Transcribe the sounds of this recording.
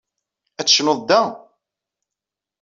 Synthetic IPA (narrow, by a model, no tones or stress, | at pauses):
æt͡sːʃnoðˤd̪æ